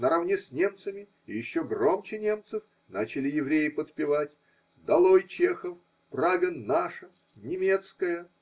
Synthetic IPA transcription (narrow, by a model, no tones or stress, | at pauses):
nəɾɐvnʲesʲnʲe̞mt̪səmʲɪ | ɪjɪɕːoɡro̞mt͡ɕɪnʲe̞mt̪sɨf | nat͡ɕɪlʲɪjɪvɾʲejɪpət̪pʲɪvatʲ | d̪ɐlˠojt͡ɕexəf | praɡənːaʂə | nʲɪmʲe̞t̪skəjə